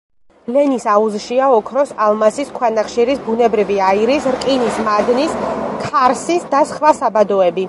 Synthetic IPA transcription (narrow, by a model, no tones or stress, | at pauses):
lɛnisauzʃiaɔkʰɾɔsalˠmasiskʰwanaχʃiɾisbunɛbɾiviaiɾisɾkʼinismad̪niskʰaɾsisd̪asχvasabad̪ɔɛbi